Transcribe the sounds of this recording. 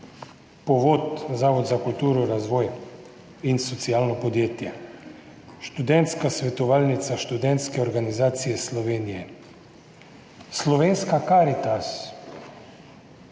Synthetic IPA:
pɔʋoːt̪zaːʋɔd̪zakult̪uːɾɔɾazʋɔːj | insɔt̪siaːlnɔpɔd̪jeːt̪jɛ | ʃt̪ud̪ɛnt̪skasʋɛt̪ɔʋaːlnit̪saʃt̪ud̪ɛnt̪skɛɔɾɡanizaːt̪sijɛslɔʋeːnijɛ | slɔʋeːnskakaːɾit̪as

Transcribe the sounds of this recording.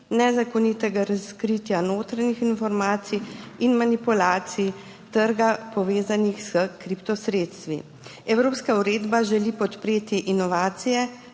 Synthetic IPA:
nɛzakɔnit̪ɛɡaɾaskɾit̪janoːt̪ɾanixinfɔɾmaːt̪sijinmanipulaːt̪siji | t̪əɾɡapɔʋeːzanixsəkɾipt̪ɔsɾeːt̪st̪ʋḭ | ɛwɾoːpskauɾeːd̪baʒɛlipɔt̪pɾeːt̪iʔinɔʋaːt̪sijɛ

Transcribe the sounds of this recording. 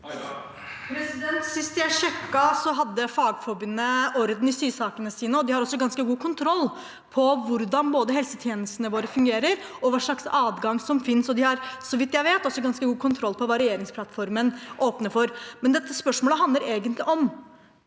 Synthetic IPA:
ɾɛnt̪sɪst̪jæɪʂɛkːɑsɔɦɑd̪ːəfɑːɡfɔɾbʏnːəʔɔɾd̪n̩ɪst̪yːʂɑːkənəsiːnəɔd̪ɪhɑɾɔsːɔɡɑnskəɡuːkʰʊnt̪ʰɾɔlː | pʰɔʋʊɾd̪ɑnboːd̪əɦɛlsət̪ʰjeːnəst̪ənəʋoːɾəfʉŋɡeːɾəɾ | ɔʋɑːʂɭɑksɑːd̪ɡɑŋsɔmfɪnsɔd̪ɪhɑɾsɔʋɪt̪jæɪʋeːt̪ɔsːɔɡɑnskəɡuːkʰʊnt̪ʰɾɔlpʰɔʋɑːɾɛeːɾɪŋspʰlɑt̪fɔɾmənʔoːpnəfɔɾmɛnd̪ɛt̪ːəspœʂmoːləɦɑnd̪əɾeːɡənt̪lɪʔɔm

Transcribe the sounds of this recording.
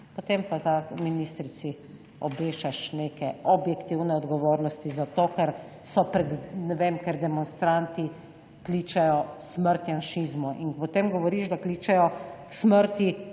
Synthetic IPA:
pɔt̪empat̪aminist̪ɾit̪si | ɔbʋeːʃt͡ʃaʃneːkɛɔbjɛkt̪iwnɛɔd̪ɡɔʋoːɾnɔst̪izat̪oːkɛɾ | sɔpɾɛd̪nɛʋeːmkɛɾd̪ɛmɔnst̪ɾant̪i | kliːt͡ʃɛjɔsməɾt̪janʃizmuʔḭnpɔt̪eːmɡɔʋɔɾiʒd̪aklit͡ʃɛjɔksməɾt̪i

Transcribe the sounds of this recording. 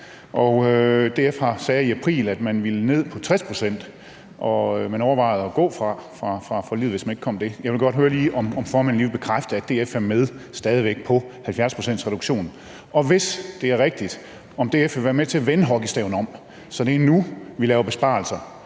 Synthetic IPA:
ʔɒd̥e̝efɑsɛːiæpʰʁḭːlæd̥mænʋilne̝ð̰ˠpʰɒ̽t͡sʰʁɛspʰʁo̝sen̰d̥ | ʔɒ̽ømænɒʊɐʋɑ̈ɪð̩ˠɒ̽ɡ̥ɔ̰̽ːfʁɑ̈fʁɑ̈fʁɑ̈fɒlið̰ˠʋesmæne̝ɡ̥kʰɒ̽m̰d̥e̝jɑ̈ɪʋelɡ̥ɒ̽d̥ɦøːɐliːʔɒmɒ̽mfɒːmæn̩iːʋeb̥e̝kʰʁafd̥əædd̥e̝ːefæmːeð̞ˠsd̥ɛːð̞ˠiʋeɡ̥̚pʰɒ̽hælfjæɐspʰʁo̝sen̰dsʁɛɾuɡ̥ɕo̝̰ːn | ʔɒ̽ʋe̝sd̥e̝æɐʁeɡ̥̚d̥id̥ | ɒ̽md̥e̝̰efeʋæɐmet͡sʰe̝æʋenɦɒ̽ɡ̥əsd̥ɛ̰ʊn̩ɒ̽m̰ | sɒ̽d̥e̝ænuʋilɛːʊɐb̥e̝sb̥ɑ̈lsɐ

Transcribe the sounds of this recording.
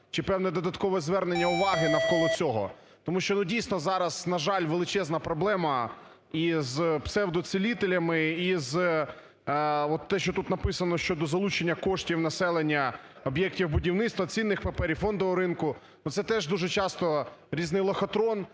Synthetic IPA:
t͡ʃɪpɛwnɛd̪ɔd̪ɐt̪kɔʋɛzʋɛrnenʲːɐʊʋɑɦɪnɐwkɔlˠɔt͡sʲɔɦɔ̰ | t̪ɔmuʃt͡ʃɔnudʲijsnɔzɑɾɐznɐʒɑlʲʋelˠɪt͡ʃɛznɐpɾɔblˠɛmɐ | izpsɛwd̪ɔsɪlʲit̪elʲɐmɪiz | ɔt̪ːɛʃt͡ʃɔt̪ut̪nɐpɪsɐnɔʃt͡ʃɔd̪ɔzɐlˠut͡ʃenʲːɐkɔʃtʲiwnɐsɛlˠenʲːɐ | ɔbjɛk̚tʲiwbʊdʲiwnɪt̪st̪ʋɐt͡sʲinːɪxpepɛɾʲifɔnd̪ɔʋɔɾɪnkʊ | nut̪sɛt̪ɛʒd̪uʒɛt͡ʃɑst̪ɔɾʲiznɪjlˠɐxɐt̪ɾɔn

